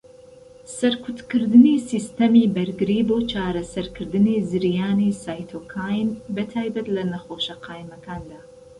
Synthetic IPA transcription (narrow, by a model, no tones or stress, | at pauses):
sɐɾkʰʊt̪kɨɾd̪ɨniːsist̪ɐmibɐɾɡɨɾiːboːt͡ʃaːɾɐsɐɾkʰɨɾd̪ɨnizɨɾjaːnisaːjt̪ʰoːkʰaːjnbɐt̪ʰaːjbɐt̪lɐnɐxoːʃɐqʰaːjmɐkʰaːnd̪aː